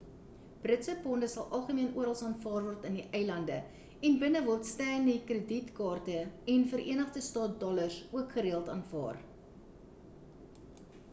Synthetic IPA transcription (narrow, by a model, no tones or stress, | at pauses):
b̥rətsəpɔndəsɐlˠʔɐlˠχəmiənʔuəɾɑlˠsɑːnfɑːrvɔrtəndiʔɛjlɐndə | ɛnbənəvɔrtstæːnikrəditkɑːrtəɛnfəɾʔiənəχdəstɑːt̚dɔlərsuəkχəɾiəlˠtɑːnfɑ̰ːr